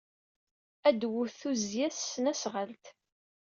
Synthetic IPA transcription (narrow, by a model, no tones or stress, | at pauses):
æd̪wʊθuzjæsːənæsʁəlt̪